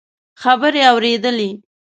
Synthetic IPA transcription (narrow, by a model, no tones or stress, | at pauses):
xabəɾeawɾed̪əle